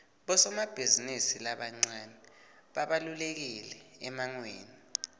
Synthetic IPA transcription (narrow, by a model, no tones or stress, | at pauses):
ɓɔsɔmab̥ʱizinisilaɓaŋ͡ǀanɛ | ɓaɓalulek̬ilɛɛmaŋweːni